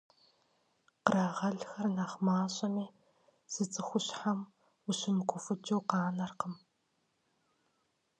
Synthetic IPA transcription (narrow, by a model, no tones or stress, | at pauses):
qəɾaːʁɐɮxɐrnaːχmaːɕʼɐmiː | z̥ɨt͡sʼɨxʷʊɕħam | ʊɕɪmɨkʷʰʊfɨt͡ʃʼɨwqɑːnɐrqəm